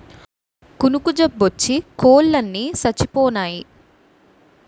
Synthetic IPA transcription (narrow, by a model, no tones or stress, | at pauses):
kunukud͡ʒebːot͡ʃːikoːlːɐnːisɐt͡ʃːipɔːnaːji